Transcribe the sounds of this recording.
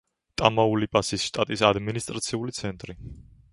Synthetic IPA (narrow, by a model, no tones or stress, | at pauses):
t̪ʼamaulipʼasisʃt̪ʼat̪ʼisad̪minist̪ʼɾat̪sʰiulit̪sʰɛnt̪ʼɾi